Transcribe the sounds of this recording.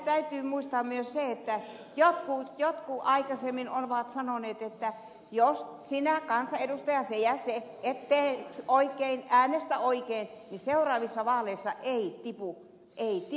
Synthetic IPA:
t̪æyt̪yːmuist̪ɑːmmyøsseet̪ːæ | jot̪kujot̪kuʔɑikɑsemːinonʋɑːt̪sɑnoneːt̪et̪ːæ | jossinækɑnsɑedust̪ɑjɑsejæseet̪ːeːksoikeinæːnest̪æoikein | niseurɑːʋisːɑʋɑːleisːɑʔeit̪ipu | ʔeit̪i

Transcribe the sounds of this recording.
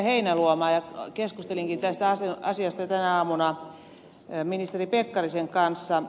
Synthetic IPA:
heinæluomɑːjɑkeskust̪eliŋkint̪æst̪æɑseɑ̰siɑst̪ɑjɑt̪ænæɑːmunɑ | minist̪eripekːɑriseŋkɑnsːɑ

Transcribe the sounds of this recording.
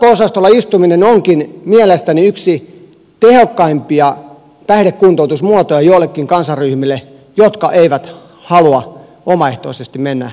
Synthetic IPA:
oosɑst̪olːˑɑist̪uminenoŋkinmielest̪æniyksi | t̪ehokːɑimpiɑ | t̪æhɾekkunt̪out̪usmuot̪ojɑjoilːˑekːiŋkɑnsɑrryhmilːe | jot̪kɑʔeiʋæt̪ | hɑluɑ | omɑeht̪o̰isest̪immenːæ̰

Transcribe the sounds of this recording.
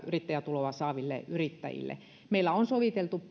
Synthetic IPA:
yrit̪ːæjæt̪uloʋɑsɑːʋilːḛʔyrit̪ːæ̰jḭlːḛ | meilːˑæonsoʋit̪elt̪u

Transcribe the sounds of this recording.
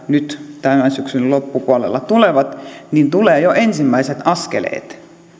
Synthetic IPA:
nyt̪t̪ænːæsyksyllopːupuɑlḛlːɑt̪uleʋɑt̪nint̪uleːjoʔensimːæiset̪ɑskḛlḛːt̪

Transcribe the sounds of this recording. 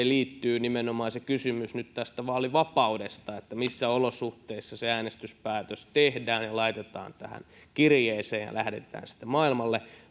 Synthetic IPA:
eliːt̪ːyːnimenomɑːsekysymysnyt̪t̪æst̪æʋɑːoliʋɑpɑudest̪ɑet̪ːæmisːæolosuht̪eisːɑseæːnest̪yspæːt̪øst̪ehdæːnjɑlɑit̪et̪ɑ̰ːnt̪æhæ̰n | kirjeːseːjjɑ̰lʔæhdḛt̪æ̰ːnsi̥t̪ːemɑilmɑlːe

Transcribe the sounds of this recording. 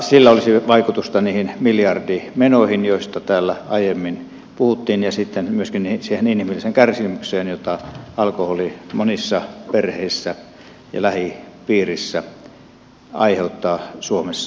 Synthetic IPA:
silːæolisiʋɑikut̪ust̪ɑniːhinmiljɑrdimenohinjoˑist̪ɑt̪æːlːæɑijemːin | puhut̪ːiːnjɑsit̪ːenmyøskinisiːheninhimilːˑiseŋkærsimykseːnjot̪ɑɑlkoholimonisːɑperheˑisːæ | jɑ̰læhipiːrisːæ | ɑ̰iheut̪ːɑːsuomesːɑ̥

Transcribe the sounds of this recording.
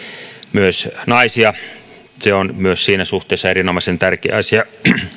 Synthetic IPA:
myøsnɑisiɑ | seonmyøssiːnæsuht̪ˑeˑːsːɑeɾinomɑˑisent̪ærkḛɑsiɑ

